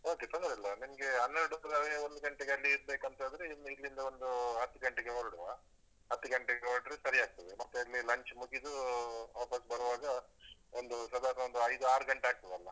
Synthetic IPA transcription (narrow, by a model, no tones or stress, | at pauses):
o̞ːket̪ond̪ɐɾɐlːɐnimɐɡe̞ɦɐnːeɾɽusɐlaɾeo̞nd̪uɡɐɳʈeɡeɐlːiːɾbeːkɐnt̪ɐnd̪ɾeinːuid̪ɾind̪ɐond̪uɦɐt̪ːuɡɐɳʈeɡeɦoɾɽuʋaː | ɦɐt̪ːuɡɐɳʈeɡeɦoɾɽɾesɐɾiaːɡ̚t̪ɐʋemɐt̪ːeɐlːilɐɲt͡ʃmuɡid̪uaːpɐsbɐɾʋaːɡɐond̪usɐd̪aːɾnɐʋond̪uɐjd̪uaːɾuɡɐɳʈeaːɡ̚t̪ɐʋɐlːɐ